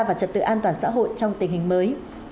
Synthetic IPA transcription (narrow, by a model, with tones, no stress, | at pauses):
vaː˨˩t͡ɕə˨˩t̚t̪ɨ̰˧˨ʔaː˧nt̪waː˨˩nsa̰ː˧˥ɦo̰˧˨jt͡ɕɔ˧wŋ͡mt̪ï˨˩ŋ̟hï˨˩ŋ̟məː˨˦j